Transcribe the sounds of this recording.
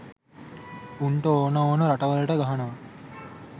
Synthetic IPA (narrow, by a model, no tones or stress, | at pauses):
uɳʈəoːnəoːnəɾaʈɐʋələʈəɡaɦanɐʋɐ